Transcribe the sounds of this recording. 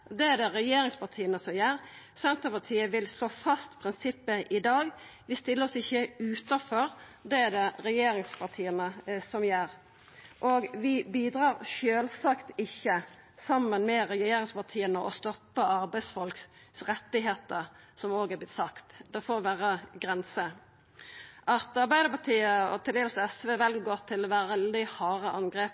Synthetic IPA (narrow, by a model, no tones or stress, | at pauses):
d̪ɛæɖ̪ɛɾɛjeːɾɪŋspʰɑʁt̪ʰiːənəsɔmjæːɾsɛnt̪əpɑt̪ʰiːəʋɪlsloːfɑst̪pʰɾɪnsɪpːəʔɪd̪ɑːɡʋɪst̪ɪlːəɔsɪçːəʉːt̪ɑfɔɾ | d̪ɛæd̪ɛɾɛjeːɾɪŋspʰɑʁt̪ʰiːənəsɔmjæɾ | ʔɔɡʋɪbiːd̪ɾɑːɾʃøːlsɑkt̪ɪçːə | sɑmːənmɛʁɛjeːɾɪŋspɑʁt̪ʰiːənəʔɔ̰st̪ɔpːəɑɾbæɪsfɔlk | sʁɛt̪ːɪɦeːt̪əʁ | sɔmoːɡɛblɪt̪sɑkt̪d̪ɛfoːʋæːɾəɡʁɛnsə | ʔɑt̪ɑɾbæɪd̪əpɑt̪ʰiːəɔ̰t̪ʰɪld̪eːlsɛsʋeːʋɛlɡɡoːʁt̪ʰɪlɔʋæɾd̪ɪhɑːɾəʔɑnɡɾeːp